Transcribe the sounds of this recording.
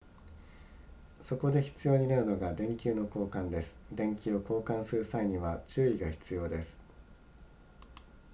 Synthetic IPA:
so̞ko̞d̪e̞çi̥t͡sɨjo̞ːɲ̟inaɾɯ̟no̞ɡad̪ẽ̞ŋkʲɨːno̞ko̞ːkãnd̪e̞sɨ̥d̪ẽ̞ŋkʲio̞ko̞ːkãɰ̃sɨɾɯ̟saiɲ̟iβat͡ɕɨːiɡaçi̥t͡sɨjo̞ːd̪e̞sɨ̥

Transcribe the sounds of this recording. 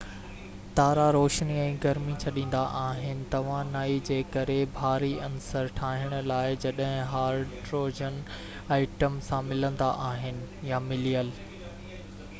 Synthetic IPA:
t̪aːɾaɾoːʃniɛ̃ːɡɐɾmit͡ɕʰɐɗĩːn̆d̪aʔaːɦɪnɪ̆t̪ɐʋ̤ãnaːid͡ʑeːkɐɾebʱaːɾiɐnsəɾʈʰaːɦɪɽ̃ʊ̆laːɪd͡ʑɐɗɦɪ̃ɦaːɾʈɾoːd͡ʑən | aːɪʈəmsãmɪlə̃nd̪aʔaːɦɪnɪ̆jamɪliːəl

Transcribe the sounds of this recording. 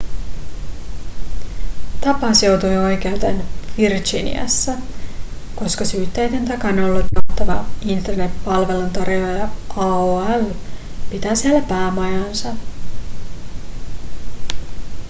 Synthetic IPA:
t̪ɑpɑsjo̞wt̪ujo̞jk̟e̞wt̪enʋird͡ʒinḭɑ̰sːɑ | ko̞skɑsyːt̪ːejt̪ent̪ɑkɑnolːut̪jɑt̪ːɑʋɑint̪erne̞pːɑlʋe̞lunt̪ɑrilɑjɑɑoæl | pit̪æːsielːæpæːmɑjɑnsɑ

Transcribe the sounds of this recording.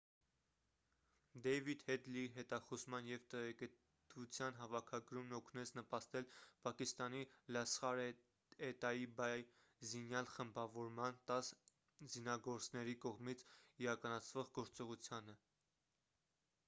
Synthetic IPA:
d̪ɛjvid̪hɛd̪liɦɛt̪ɑχɔzmɑnjɛvt̪ɛʁɛkə | t̪vut͡sʰjɑnɦɑvɑkʰɑɡɾumnɔkʰnɛt͡sʰnəpɑst̪ɛlpɑkist̪ɑnilɑsχɑɾ | ɛt̪ɑjibɑj | zinjɑlχəmbɑvɔɾmɑnt̪ɑs | zinɑɡɔɾt͡snɛɾikɔʁmit͡sʰiɾɑkɑnɑt͡sʰv̥ɔʁɡɔɾt͡sɔʁut͡sʰjɑnə

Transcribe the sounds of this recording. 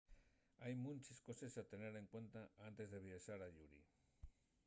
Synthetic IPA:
ajmũnʲt͡ʃesko̞sesat̪e̞ne̞ɾe̞ŋkwe̞nt̪aʔant̪e̞zðe̞βiaʃaɾaʎuɾḭ

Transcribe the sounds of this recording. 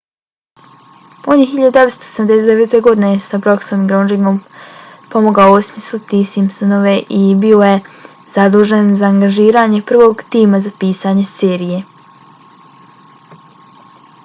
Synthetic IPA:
poɲiçiʎad̪ud̪eʋe̞st̪osemd̪e̞set̪e̞ʋe̞t̪e̞ɡo̞d̪ine̞jesabɾo̞ksomiɡɾonɾimom | po̞moɡaousmislit̪isimpsonoʋe̞ʔibio̞je̞ | z̥ad̪uːʒe̞nzaːŋɡaʒiːɾaːɲe̞pr̩ʋo̞ːɡt̪iːmazapiːsaɲe̞seːɾije̞

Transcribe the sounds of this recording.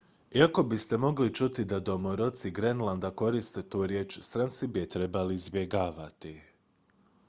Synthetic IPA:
iako̞bist̪e̞mo̞ɡlit͡ʃut̪id̪ad̪o̞moɾo̞t̪siɡɾenlˠand̪ako̞ɾist̪e̞t̪uːɾje̞ːt͡ʃst̪ɾant̪sibijet̪ɾe̞balizbje̞ɡaːʋat̪i

